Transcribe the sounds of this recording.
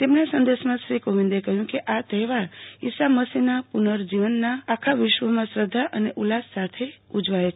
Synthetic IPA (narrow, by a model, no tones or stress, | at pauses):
t̪emnasənd̪eʃmãʃɾikoʋĩnd̪ekəɦjũkeʔat̪əɦʋaɾisaməsinapunəɾd͡ʒiʋənːaːkʰaʋɪʃʋəmãsɾəd̪ʱːaʔəneʔulasːat̪ʰeud͡ʒʋaet͡ʃʰ